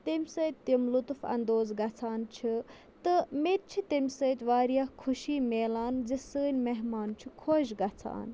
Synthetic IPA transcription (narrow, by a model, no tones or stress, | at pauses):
t̪imʲsət̪ʲt̪ːimlut̪fɐ̰nd̪oːzɡɐt͡sʰaːnt͡ʃʰi | t̪ɨmet̪̚t͡ʃʰit̪imʲsəːt̪ʲʋaːɾijahkʰuʃiːmeːlaːnzisəːnʲmeɦmaːnt͡ʃʰikʰoːʃɡɐt͡sʰa̰ːn